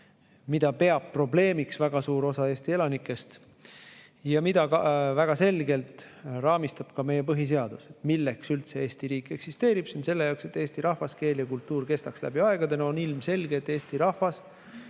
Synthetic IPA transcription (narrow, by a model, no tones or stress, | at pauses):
mid̪ɑpe̞ɑppːro̞ble̞ːmiksvæɡ̥ɑsuːɾo̞sɑeːst̪ie̞lɑnikːˑe̞st̪ | jɑmid̪̥ɑkɑvæɡ̥ɑse̞lɡe̞lt̪rɑːmist̪ɑb̥kɑme̞je̞p̬ɤɦis̬e̞ɑd̪̥uset̪milːe̞ksylt̪se̞e̞ːst̪iɾiːkːˑe̞ksist̪e̞ːɾib̥sinse̞lːe̞jɑokse̞t̪ːˑe̞ːst̪iɾɑhvɑske̞ːljɑkult̪ːuːɾke̞st̪ɑkslæ̰b̥iɑe̞ɡ̥ɑd̪eno̞nilmse̞lɡet̪ːˑe̞ːst̪iɾɑhvɑs